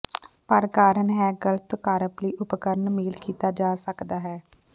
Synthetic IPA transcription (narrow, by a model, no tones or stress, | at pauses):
pəɾkaːɾənɦɛːɡələt̪kaːɾəpləiːʔʊpkəɾnmeːlkiːt̪aːd͡ʒaːsəkd̪aːɦɛː